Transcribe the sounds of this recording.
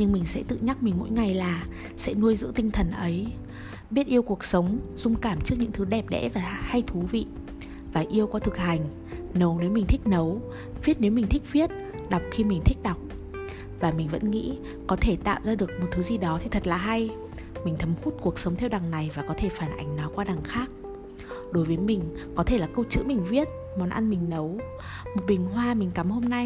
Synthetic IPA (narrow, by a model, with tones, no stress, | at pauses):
ɲɨ˧ŋmï˨˩ŋ̟sɛ̰˧˥t̪ɨ̰˧˨ɲa˦˥k̚mï˨˩ŋmo̰˧˥jŋa˨˩jlaː˨˩ | sɛ̰˧˥nu˧əjzɨ̰˧˥t̪ï˧ŋ̟t̪ʰə˨˩nʔə˨˦j | ɓi˦˥ət̚ʔi˧əwku˨˩ək̚sə˨˦wŋ͡mz̥ʊ˧ŋ͡mkaː˧˩mt͡ɕɨ˦˥k̚ɲɨ̰˧˥ŋt̪ʰɨ˨˦ɗɛ˨˩p̚ɗɛ̰˧˥vaː˨˩ha˧jt̪ʰu˨˦vḭ˧˨ | vaː˨˩ʔi˧əwkwaː˧t̪ʰɨ˨˩k̚ha˨˩jŋ̟ | nə˨˦wne˨˦wmï˨˩ŋ̟t̪ʰï˦˥k̟̚nə˨˦w | vi˦˥ət̚ne˨˦wmi˨˩ŋ̟t̪ʰi˦˥k̟̚vi˦˥ət̚ | ɗa˨˩wk͡p̚xi˧mï˨˩ŋ̟t̪ʰï˦˥k̟̚ɗa˨˩wk͡p̚ | vaː˨˩mï˨˩ŋ̟və̰˧˥nŋḭ˧˥ | kɔ˨˦t̪ʰe˧˩t̪a̰ː˧˨wzaː˧ɗɨ˨˩ək̚mo˨˩t̚t̪ʰːɨ˨˦zi˨˩ɗɔ˨˦t̪ʰi˨˩t̪ʰə˨˩t̚laː˨˩ɦa˧j | mï˨˩ŋ̟t̪ʰə˨˦mhu˦˥t̚ku˨˩ək̚sə˨˦wŋ͡mt̪ʰɛ˧wɗa˨˩ŋna˨˩jvaː˨˩kɔ˨˦t̪ʰe˧˩faː˧˩nʔa˨˦jŋ̟nɔ˨˦kwaː˧ɗa˨˩ŋxaː˦˥k̚ | ɗo˨˦jvə˨˦jmï˨˩ŋ̟kɔ˨˦t̪ʰe˧˩laː˨˩kə˧wt͡ɕɨ̰˧˥mï˨˩ŋ̟vi˦˥ət̚ | mɔ˨˩nʔa˧nmï˨˩ŋ̟nə˨˦w | mo˨˩t̚ɓï˨˩ŋ̟ɦwaː˧mï˨˩ŋ̟ka˨˦mho˧mna˧j